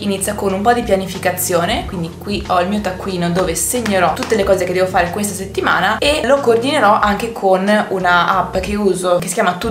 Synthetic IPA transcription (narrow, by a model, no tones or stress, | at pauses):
init̪sjakonumpɔd̪ipjanifikat̪sːjoːnekwind̪ikwiɔilmiːot̪akːwiːnod̪oːveseɲːeɾɔt̪ut̪ːelekɔːzeked̪ːɛvofaːɾekwes̬t̪aset̪ːima̰ːnaelokoːrd̪ineɾɔʔaŋkekʰonunaapːk̟euːzokesi̥kʲjaːmat̪u